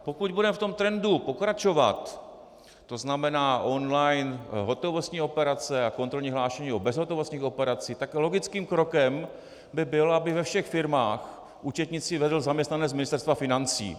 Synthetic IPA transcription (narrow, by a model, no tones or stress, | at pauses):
pokuɟbudɛmft̪o̞mt̪ɾɛndupo̞kɾat͡ʃo̞va̰t̪ː | o̞znamɛnaːʔo̞nlajnɦo̞t̪o̞vo̞st̪ɲiːo̞pɛɾat͡sɛako̞nt̪ɾolɲiːɦlaːʃɛɲiːobɛzɦot̪ovost̪ɲiːxo̞pɛɾat͡sɪt̪aklo̞ɡɪt͡skiːmkɾo̞kɛm | bɪbɪlabɪvɛfʃɛxfɪɾmaːx | ʔuːt͡ʃɛt̪ɲɪt͡sɪvɛdl̩zamɲɛst̪nanɛmɪnɪst̪ɛɾst̪vafɪnant͡sḭː